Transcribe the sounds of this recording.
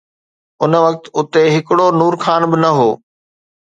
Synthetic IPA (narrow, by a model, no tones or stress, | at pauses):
ʊnə̆ʋɐk̚t̪ʊt̪eɦɪkɪɽonuːɾxʰaːnbɪnɐɦoː